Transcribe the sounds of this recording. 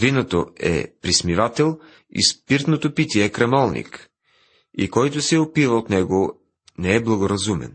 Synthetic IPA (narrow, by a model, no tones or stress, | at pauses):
vinot̪oɛ̰pɾismivat̪ɛlˠ | ḭspiɾt̪not̪opit̪ʲiɛkɾɐmɔlˠnḭk | ḭkɔjt̪ʊsɛopivɐot̪nɛɡo | nɛɛblˠɐɡoɾɐzumɛ̰n